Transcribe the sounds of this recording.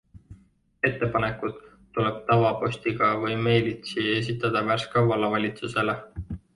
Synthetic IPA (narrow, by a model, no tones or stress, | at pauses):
e̞t̪ːe̞pɑne̞kˑut̪ː | ule̞b̥̚t̪ɑvɑpo̞sʲt̪iɡ̥ɑvɤjme̞ːlʲit̪sie̞s̬it̪ːˑɑd̪̥ɑværskɑwɑlɑvɑlʲit̪suse̞le